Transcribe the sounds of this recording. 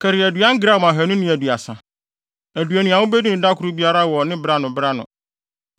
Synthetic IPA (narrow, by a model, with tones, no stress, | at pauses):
kʰɛ˨ɾɪ˨æ˨du˨˦ã˦ŋ̩˦ɡɾa˦˨ã˨ɦæ˨nʊ̃˦nɪ̃˦æ˨du˨a˨sã˨ | æ˨du˨æ˨nʊ̃˨a˨wʊ̃˦be˦di˦nɪ̃˨da˦kʰʊ˨˦ɾu˦bi˦a˦ɾa˦wɔ˨nɪ̃˦bɾa˦nʊ̃˨bɾa˦nʊ̰̃˨